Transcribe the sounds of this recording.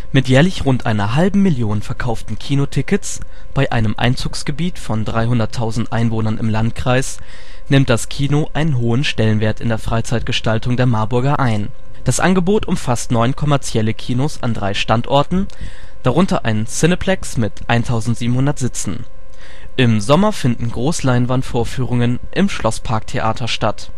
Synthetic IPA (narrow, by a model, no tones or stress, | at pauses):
mɪtjɛːɐlɪçʁʊntʔa̰ɪnɐɦalbm̩ːɪljoːnənfɛɐkʰaʊftn̩kʰiːnotʰɪkət͡s | b̥aɪʔa̰ɪnəmʔa̰ɪnt͡suːksɡ̥əbiːtfɔndʁaɪɦʊndɐtʰːaʊzn̩tʔaɪnvoːnɐnɪ̰mlantkʁ̥aɪs | nɪmt̚d̥askʰiːnoʔaɪnənɦoːənʃtɛlənveːɐtɪndeːɐfʁ̥aɪt͡saɪt̚ɡ̥əʃtaltʊŋdeːɐmaɐbʊɐɡɐʔaɪn | d̥asʔa̰nɡəboːtʔʊmfastnɔʏnkʰɔmɛɐt͡sjɛləkʰiːnosa̰ndʁaɪʃtantʔɔɐtn̩ | d̥aʁʊntɐ̰ʔa̰ɪnsɪnəpʰlɛksmɪtʔaɪntʰaʊzn̩tz̥iːbm̩hʊndɐtz̥ɪt͡sn̩ | ʔɪmzɔmɐfɪndn̩ɡʁoːslaɪnvantfoːɐfyːʁ̞ʊŋən | ʔɪmʃlʔɔspʰaɐk̚tʰeʔa̰ːtʰɐʃtat